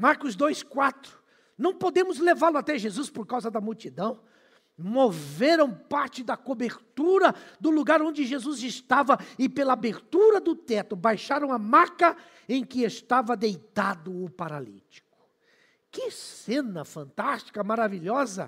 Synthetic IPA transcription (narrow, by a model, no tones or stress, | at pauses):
maɾkʊzd̪ojskwat̪ɾʊ̥ | nɐ̃w̃pod̪ẽmʊzlevaɾlʊat̪ɛʒezuspoɾkawzɐd̪ɐmuwt͡ʃid̪ɐ̃w̃ | moveɾɐ̃w̃paɾt͡ʃɪd̪ɐkobeɾt̪uɾɐd̪ʊluɡaɾõnd͡ʒɪʒezuzɪst̪avɐɪpelɐabeɾt̪uɾɐd̪ʊt̪ɛt̪ʊbajʃaɾɐ̃w̃ɐmakɐ | ẽj̃kɪest̪avɐd̪ejt̪ad̪ʊʊpaɾalḭt͡ʃi̥kʊ̥ | kɪsẽnɐfɐ̃nt̪ast͡ʃi̥kɐmaɾaviʎɔzɐ̰